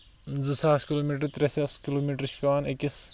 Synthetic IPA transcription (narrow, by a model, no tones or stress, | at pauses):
zɨsaːskʲiloːmiʈɾt̪ɾesʲɐskiloːmiʈɾʃpʲaːnekʲis